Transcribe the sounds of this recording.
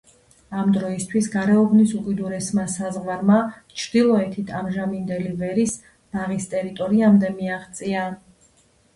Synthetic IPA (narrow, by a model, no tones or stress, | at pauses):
amd̪ɾɔist̪ʰwisɡaɾɛɔbnisukʼid̪uɾɛsmasazʁvaɾmat͡ʃʰɾd̪ilˠɔɛt̪ʰit̪ʰamʒamind̪ɛlivɛɾis | naʁist̪ʼɛɾit̪ʼɔɾiamd̪ɛmiaχt̪sʼia